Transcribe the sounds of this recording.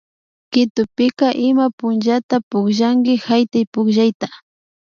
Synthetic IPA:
kɪt̪ʊpɪkaʔɪmapʊnd͡ʒat̪apʊkʒaŋɡɪhajt̪ajpʊkʒajt̪ḁ

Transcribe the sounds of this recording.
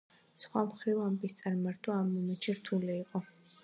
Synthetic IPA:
sχwamχɾivambist̪sʼaɾmaɾt̪ʰʼaamːɔmɛt͡ʃʰiɾt̪ʰuliːqʼɔ

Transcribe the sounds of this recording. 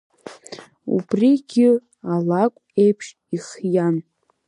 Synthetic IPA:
ṵbriɡʲɪ | alakʷʼe̞jpʰʂ | iχjan

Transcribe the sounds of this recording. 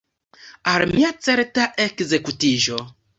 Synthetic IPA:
almiat͡seɾtaʔekze̞kutiʒo

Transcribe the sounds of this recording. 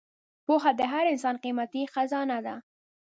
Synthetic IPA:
poɦad̪əɦaɾɪns̬ɑnqimat̪ixazɑnad̪a

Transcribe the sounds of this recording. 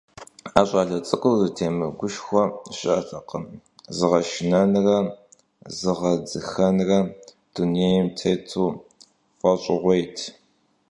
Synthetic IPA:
aːɕʼɑːɮɐt͡sʼɨqʼʊwzɨtʰeːmɨɡʷʊʃxʷɔɕʼɪɐɬʼɐqəm | zɨʁɐʃɪnɐnrɐ | zɨʁɐd͡zɨxɐnrɐ | d̥unejmtʰɐjtʰuː | fʷɐɕʼɪʁʷɔjtʰ

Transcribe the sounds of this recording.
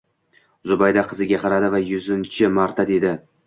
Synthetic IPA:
zʊbajd̪aqʰɨzɪɡʲaqʰɑɾad̪ɪvajʊzɪnt͡ʃʰɪmaɾt̪ʰad̪e̞d̪ɪ

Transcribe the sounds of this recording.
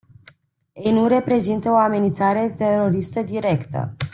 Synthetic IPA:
ejnuɾe̞pɾe̞zint̪əoame̞nint̪saɾe̞t̪e̞ɾo̞ɾist̪əd̪iɾe̞kt̪ə̰

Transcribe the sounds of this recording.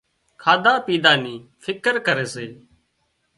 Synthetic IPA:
kʰaːd̪aːpiːd̪aːniːfʰɪkəɾkəɾeːseː

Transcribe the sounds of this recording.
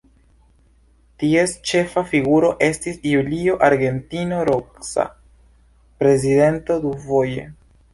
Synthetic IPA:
tie̞st͡ʃe̞fafiɡuɾo̞ʔe̞stisjulio̞ʔaɾɡe̞ntinoɾoksa̰ | pɾe̞zide̞nto̞d̪uvo̞jḛ

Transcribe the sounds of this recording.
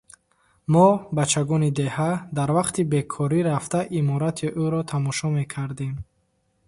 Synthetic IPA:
mɔbat͡ʃʰːaɡɔnid̪e̞had̪aɾvaqt̪ibe̞kʰɔɾiɾaft̪aʔimɔɾat̪ʰiʔuɾɔt̪ʰamɔʃɔme̞kʰaɾd̪em

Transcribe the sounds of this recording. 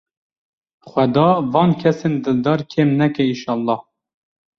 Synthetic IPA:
χʷwɛd̪ɑːvɑːnkʰɛsend̪ɨld̪ɑɾkʰeːmnɛkɛiʃɑːlˠːɑh

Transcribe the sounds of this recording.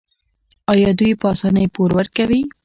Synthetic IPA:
ɑjɑd̪ujpɑsɑnəjpoɾwəɾkawi

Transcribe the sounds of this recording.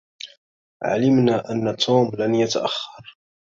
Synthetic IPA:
ʕa̰ləmnaʔanːat̪ʰːuːmlanjat̪a̰ʔaxːɑɾˤ

